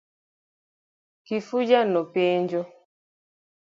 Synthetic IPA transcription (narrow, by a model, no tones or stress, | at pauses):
kifud͡ʒanɔpeːnd͡ʒɔ